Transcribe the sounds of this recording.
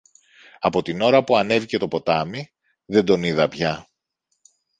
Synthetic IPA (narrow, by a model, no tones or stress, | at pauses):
ɐpo̞t̪ino̞ɾɐpuɐne̞vice̞t̪o̞po̞t̪ɐmi | ðend̪o̞niðɐpçɐ